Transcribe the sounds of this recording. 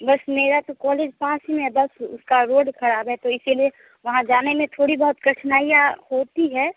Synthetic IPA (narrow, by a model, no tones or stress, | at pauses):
bɐsmeːɾat̪okɔːleːd͡ʒpãːsimɛ̃bɐsʊ̰skaɾoːɖkʰɐɾaːbɦɛt̪oɪsilie | ʋɐɦãd͡ʒaːnemẽt̪ʰoːɽibɐɦʊt̪kɐʈʰnaːijahoːt̪iɦɛː